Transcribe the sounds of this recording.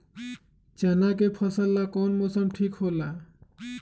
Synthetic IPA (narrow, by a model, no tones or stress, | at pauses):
t͡ʃanak̬epʰʌsəlːakɔnmosʌmʈʰikhola